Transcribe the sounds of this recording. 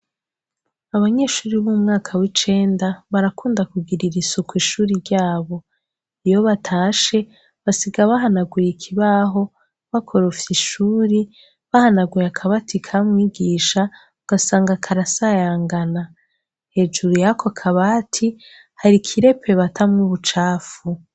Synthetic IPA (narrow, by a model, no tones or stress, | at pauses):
aβaɲe̞ːʃuːɾiβumŋaːkʰawit͡ʃe̞ːndaβaɾakuːndakuɡiɾiɾisukwiːʃuːɾiɾɟaːβo̞ | ijo̞βatʰaːʃe̞ | βasiɡaβaɦanaɡwujikʰiβaɦo̞ | βakʰo̞ɾofiʃuːɾi | βahanaɡwijakʰaβatʰikʰamŋwiːɡiːʃa | uɡ̥asaːŋɡakʰaɾasajaːŋɡana | he̞ːd͡ʒuɾujakʰokʰaβaːtʰi | haɾikʰiɾe̞pʰe̞βatʰamŋuβut͡ʃaːfu